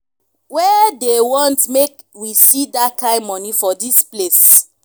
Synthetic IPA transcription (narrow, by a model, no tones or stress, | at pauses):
wɛdewɔ̃ntmek | wisidakãɪmɔnifɔdisples